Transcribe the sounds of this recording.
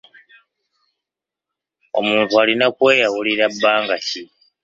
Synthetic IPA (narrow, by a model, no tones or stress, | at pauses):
o̞̰muːntualinakwe̞ːjawuliɾabːaːŋɡaci